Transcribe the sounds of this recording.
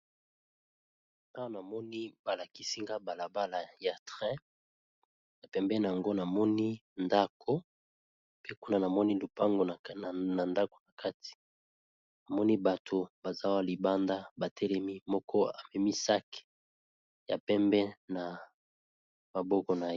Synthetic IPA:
na˦wo˦na˨mɔ˦ni˦ba˨la˨ki˦si˦ŋɡa˦ba˨la˨ba˦la˨ja˨tʁɛ̃˦ | na˨pɛ˨mbɛ˦na˨a˨ŋɡo˦na˨mɔ˦ni˦nda˦kʰo˦ | pe˦ku˦na˦na˨mɔ˦ni˦lu˨pa˦ŋɡo˨na˨nda˦ko̥˨na˨kʰa˦ti̥˨ | na˨mɔ˦ni˦ba˨tʰo˨ba˨za˦wa˦li˨ba˦nda˦ba˨tʰɛ˦lɛ˦mi˦mɔ˦kʰɔ˦a˨mɛ˨mi˦sa˦kɛ̥˨ | ja̰˨pɛ˦mbɛ˦na˨ | ma˨bɔ˦kɔ˨na˨˦

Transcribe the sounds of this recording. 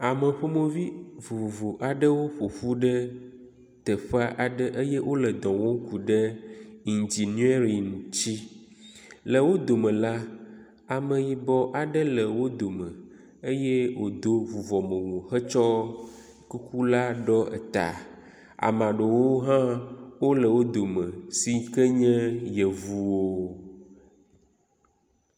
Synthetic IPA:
a˨mə˨ɸo˦mõ˦vi˦vu˨vu˨vo˨ʔa˨ɖə˦wo˦ɸo˨fu˦ɖə˦ | t̪ə˨ɸa˦ʔa˨ɖə˦ʔə˦jɛ˦wʔo˦lə˨d̪ɔ̃˨wo˦ŋ˦ku˨ɖə˦i˨nd͡ʒi˨n˦e˦ɾi˨ŋ˨t͡ɕi˦ | lə˨wo˦d̪o˨mə̃˨la˦ | a˨mə̃˨ji˨bɔ˦ʔa˨ɖə˦lə˨wo˦d̪o˨mə̃˨ | e˦jɛ˦wo˨d̪o˦vu˨vɔ˨mə̃˨wõ˨xə˦t͡ʃɔ˦ | ku˦ku˦la˦ɖɔ˦ʔɛ̰˨t̪a̰˨ | a̰˨mã˨ɖo˨wo˦ɦã˦wo˦lə˨wo˦d̪o˨mə̃˨si˨˦kə˦ɲɛ̃˦jɛ˨vu˦wo˦

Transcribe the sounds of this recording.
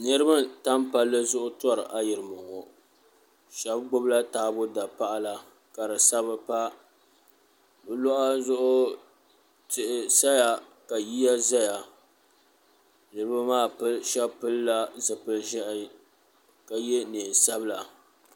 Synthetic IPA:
nɨ˦ɾɨ˦ba˦ta˦mpa˦lːɨ˦zʊ˦ʔʊ˦tɔ˦ɾɨ̰˨ʔa˦jɪ˨ɾɨ˨mʊ˨ŋɔ˨ | ʃɛ˨˦b̚ɡ͡bʊ˦bla˦taː˦bʊ˦da˨pa˦ʔa˦la˨ | ka˨ɾɨ˨sa˦bɨ˦pa˦ | bɨ˦lɔ˦ʔa˦zʊ˦ʔʊ˦ | tɪ˦˨ʔɪ˦sa˦ja˨ | ka˨ji˦ja˦za˦ja˨ | nɨ˨ɾɨ˦ba˦maː˦˨pɨ˦ʃɛ˦bpɨ˦lːa˦zɨ˨pɨ˦lʒɛ˦ʔɪ˦ | ka˨jɛ˦neː˨sa˦bla˨

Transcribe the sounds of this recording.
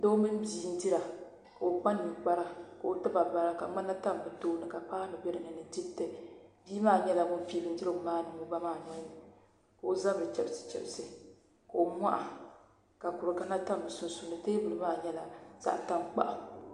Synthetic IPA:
do˦mɨ˦n˦biː˨˦n̩˦di˦ɾa˨ | ka˨o˨k͡pa˦nːɨ˨k͡pa˦ɾa˦ka˨o˨tɨ˦ba˨ba˨ɾa˦ka˨ŋ͡ma˦na˦ta˦m˨bɨ˨toː˦nɨ˨ka˨pa˦nɨ˨bɛ˦ɾɨ˨nɨ˨nɨ˨di˦btɨ˨bi˦maː˦˨ɲɛ˦la˨bʊ˦fi˦lɨ˦n̩˦d͡ʒi˦ɨ˦ɡʊ˨maː˦nɨ˨mu˨ba˦maː˨nɔ˦j | ka˨o˨za˦bɾɨ˨t͡ʃɛ˨bsɨ̥˨t͡ʃɛ̰˨bsɨ˨ | ka˨o˨mʷa˦ʔa˨ | ka˨ku˨ɾɨ˨ka˨na˦ta˦m˨bɨ˨su˦n˦su˦nɨ˨teː˦bɨ˨lɨ˦maː˦˨ɲɛ˦la˨z̥a̰˨ʔta˦mk͡pa̰˦ʔa˨

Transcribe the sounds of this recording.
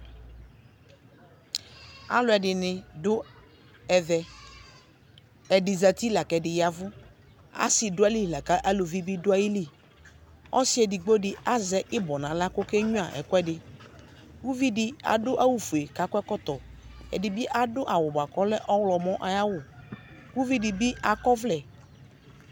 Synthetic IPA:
a̰˨lʊ˨˦ɛ˨dɪ˨nɪ̃˨dʊ˦ | ɛ˨ðɛ˨ | ɛ˨dɪ˨za˨t̪i˦la˨kɛ˨dɪ˨ja˨vʊ˦ | a̰˦sɪ˨dʊ˦a˦li˦˨la˨ka˦ʔa˦lo˨vi˦bi˦dʊ˦a˦ji˦li˦ | ɔ̰˦sɪ˦ɛ˨dɪ˨ɡ͡bo˦dɪ˦˨a˦zɛ˦ʔɪ˦bɔ˨nã˨la˦kʊ˦kɛ˦ɲũ˦a˨ʔɛ̰˨kʊ˦ɛ˦dɪ˨ | ɡu˦vi˦dɪ˦a̰˨dʊ˦ʔa˦wu˨fu˨e˨ka˨kʊ˦ɛ˦kɔ˦t̪ɔ˨ɛ̰˨dɪ˨bɪ˦ʔa˨dʊ˦ʔa˨wʊ˨ba˨kɔ˦lɛ˦ʔɔ˦wlɔ˨mɔ̃˦ʔa˨ja˦wʊ˨ku˦vi˦dɪ˨bɪ˦a˨kɔ˦vlɛ˨

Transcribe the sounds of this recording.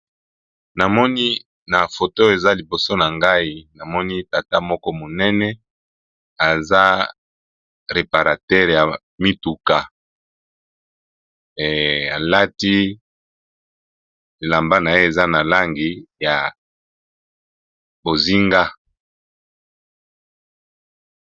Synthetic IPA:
na˨mɔ˦ni˦ | na˨fo˨to˦o˨e˨za˦li˨bo˨so˦na˨ŋɡa˦i˦na˨mɔ˦ni˦ta˨ta˦mɔ˦kɔ˦mo˨nɛ˦nɛ˦ | a˨za˦ | ʁe˨pa˨ʁa˨tɛ˦ʁja˨ | mi˦tu˨ka˨ | a˨la˦ti˦ | e˨la˨mba˦na˨je˦e˨za˦na˨la˦ŋɡi˨ja˨ | bo˨zi˦ŋɡa˦

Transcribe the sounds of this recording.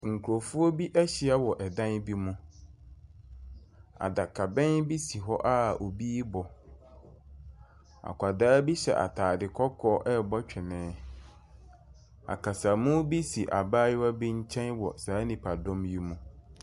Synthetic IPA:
ŋ̩˨kʰu˨ɾo˨fu˦ɔ˦bi˦ʔɛ˦ɕɪ˨a˦wɔ˨ʔɛ˨dã˦nbi˦mũ˦ | a̰˨da˨kʰa˨bɛ̃˦nbi˦si˨ɦɔ˦ʔa˦o˨biː˦bɔ˨ | a̰˨kʷʰa˨daː˦bi˦ɕɛ̰˨ʔa̰˨tʰaː˨dɪ˨kʰɔ˦kʰɔː˦ʔɛ˦˨bɔ˦t͡ɕᶣʰɪ˨nɛ̃ː˨˦ | a̰˨kʰa˨sa˨mũ˦bi˦si˨ʔa˨baː˦jɪ˦wa˦bi˦ɲ̩˦t͡ɕʰɛ̃˦nwɔ̰˨saː˨˦nĩ˨pʰa˨dɔ̃˦mji˦mũ˦

